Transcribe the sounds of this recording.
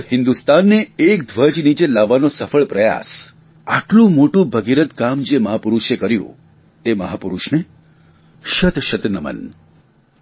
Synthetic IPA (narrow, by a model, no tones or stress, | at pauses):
ɦɪnd̪ust̪anːeːkd̪ʱʋəd͡ʒnit͡ʃelaʋːanosəfəɭpɾəja̰s | a̰ʈlũmoʈũbʱəɡiɾət̪kamd͡ʒeməɦapuɾuʃekəɾjṵ̃ | t̪eməɦapuɾuʃne | ʃət̪ʃət̪nəmə̰n